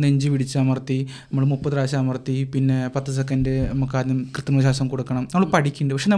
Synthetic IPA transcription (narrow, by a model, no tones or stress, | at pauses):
eɲd͡ʑɨʋiɽit͡ɕːaːmɐrt̪ːinɐmːɐɭmupːɐðɨɾaːɕaːmɐrt̪ːipinːe̞pɐt̪ːɐs̬ekːɐndenɐmɐkːaːɾnɨmkrɨt̪ːɐnɐmɐɕaːsɐmkoɽukːɐɳɐmnɐmːɐɭpɐʈʰikʲːuɳɖɨpɐkʂenɐ